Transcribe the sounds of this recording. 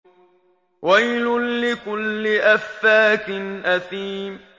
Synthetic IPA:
wajlʊnlɪkʊlːɪʔafːaːk̪ɪnʔaθiːm

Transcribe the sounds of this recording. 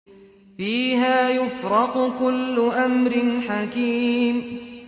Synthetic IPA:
fiːɦaːjʊfɾɑqʊkʊlːʊʔamɾɪnħakiːm

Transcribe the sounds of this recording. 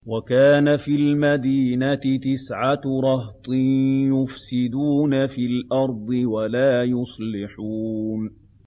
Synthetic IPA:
wakaːnafiːlmad̪iːnat̪ɪt̪ɪsʕaɾˤɑht̪ˤɨjʊfsɪd̪uːnafiːlʔɑɾˤd̪ˤɨwalaːjʊsˤlɪħuːn

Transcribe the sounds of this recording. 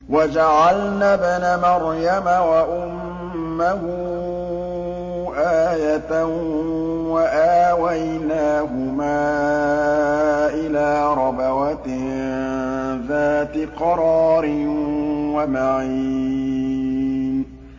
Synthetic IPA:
wad͡ʒaʕalnaːbanamaɾjamawaʔʊmː | ahʊ | ʔaːjat̪a | waʔaːwajnaːɦʊmaː | ʔɪlaːɾˤɑbawat̪ | ðaːt̪ɪqɑɾˤɑːɾɪ | wamaʕiː | n

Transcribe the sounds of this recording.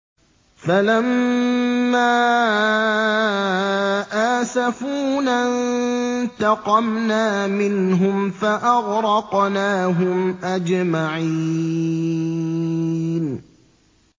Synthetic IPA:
falamː | aː | ʔaːsafuːnan | t̪ɑqɑmnaːmɪnɦʊmfaʔɑɣɾɑqnaːɦʊmʔad͡ʒmaʕii | n

